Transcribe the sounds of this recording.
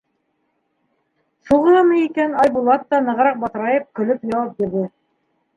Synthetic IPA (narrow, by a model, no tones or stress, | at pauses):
suʁɤ̆lˠɤmɤjikænɑjbulˠɑt̪ːɑnɤ̆ʁɾɑq̚bɑt̪ɤ̆ɾɑjɤp̚kɵ̆lɵpjɑwɑp̚biɾðɘ